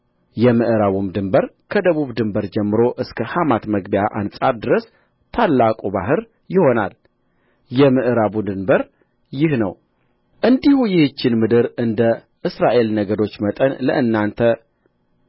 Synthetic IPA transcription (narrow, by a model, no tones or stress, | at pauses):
jɛmɨʔɨɾaβumd̪ɨmbəɾkʰəd̪əβuβd̪ɨmbəɾd͡ʒɛmːɨɾo̞ʔɨskʰəhamat̪məɡbjaʔansʼaɾd̪ɨɾəs | t̪ʰalːakʼuβa̰ɦɨɾ | jɪho̞na̰l | jɛmɨʔɨɾaβud̪ɨmbəɾ | jɪhnə̰w | ʔɨnd̪ihujɪhɨt͡ʃːɪnmɨd̪ɨɾɨnd̪ə | ʔɨsɾaʔe̞lnəɡəd̪o̞t͡ʃːmət̪ʼənlə̰ɨnːant̪ʰə